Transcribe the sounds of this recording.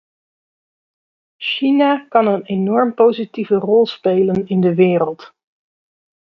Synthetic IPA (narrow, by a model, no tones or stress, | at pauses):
ʃinakɑnənenɔɹmpowzitivərɔlˠspejlənɪndəʋɪːɾəlˠt